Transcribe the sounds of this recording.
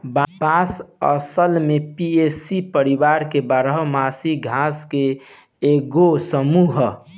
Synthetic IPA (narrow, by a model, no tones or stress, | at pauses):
bbasə̰səlmepiesipəɾibaɾkebaɾəɦmasiɡʱaskeː | ɡosəmuɦ